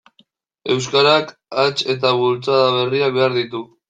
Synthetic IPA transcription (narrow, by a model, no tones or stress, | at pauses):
e̞wskaɾakat͡ʃe̞t̪aβult͡saðaβe̞riak̚be̞aɾðit̪u